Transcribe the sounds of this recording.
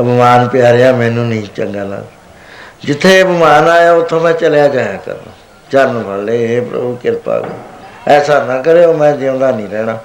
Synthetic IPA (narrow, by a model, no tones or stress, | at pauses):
bəmaːnpɪjaːɾejaːmɛ̃ːnũːnĩːt͡ʃəŋɡaːla̰ː | d͡ʒɪt̪ʰːeːbəmaːnaːjaːʊt̪ʰːõːmɛ̃ːt͡ʃəljaːd͡ʒəjaːkə̰ɾnã̰ː | t͡ʃəɾnpʰəleːɦeːpɾə̰bukɪɾpa̰ːɡə̰ɛːsaːnãːkəɾeːoːmɛ̃ːd͡ʒeõːd̪aːnĩːɾɛːɽaː